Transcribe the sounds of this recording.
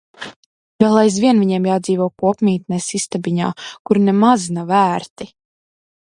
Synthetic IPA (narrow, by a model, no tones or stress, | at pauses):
vɛlˠajzvʲiɛnvʲiɲɛɛmjaːd̪ziːvɔkuɔpmʲiːt̪nɛsist̪abiɲa̰ːkuɾnɛmaznavæːɾt̪i